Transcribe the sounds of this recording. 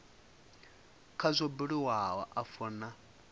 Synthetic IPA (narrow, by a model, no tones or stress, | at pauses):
kʰazʷɔbiɺiwawa̰ʔafɔna